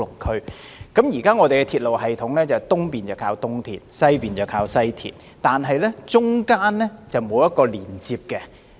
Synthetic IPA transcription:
lʊ˨˩ŋkʰɵ˥ɥ | kɐ˨˥mjiː˨˩kaː˥ŋɔː˨˧t̪e˨jkɛ˧t̪ʰiː˧t̚lo˨whɦɐ˨jt̪ʰʊ˨˥ŋlɛː˥t͡sɐ˨˩wt̪ʊ˥ŋpiː˨nt͡sɐ˨˩wkʰaː˧˥wt̪ʊ˥ŋt̪ʰḭː˨t̚sɐ˥jpiː˨nt͡sɐ˨˩wkʰaː˧wsɐ˥jt̪ʰḭː˨t̚ | t̪aː˨nɦɐ˨jlɛ˥t͡sʊ˥ŋkaː˥nlɛ˥t͡sɐ˨wmo˨˧wjɐ˥t̚kɔː˧liː˨˩nt͡siː˧p̚kɛ˧

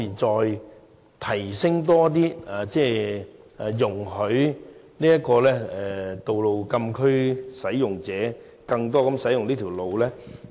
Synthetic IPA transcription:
iː˨˩t͡sɔː˧j | t̪ʰɐ˨˩jsɪ˥ŋt̪̬ɔː˥t̪̬iː˥a˨t͡sɛː˥˩ | a˨˩jʊ˨˩ŋɦɵ˨˧˥ɥ | niː˥jɐ˥t̚kɔː˧lɛː˥ɛ˨˩t̪o˨wlo˨˧wkɐ˧mkʰɵ˥ɥsɐ˨˥jjʊ˨ŋt͡sɛː˨˥ | kɐ˧ŋt̪̬ɔː˥kɐ˨˥msɐ˨˥jʊ˨ŋliː˥t̪ʰi˨˩wlo˨wlɛː˥

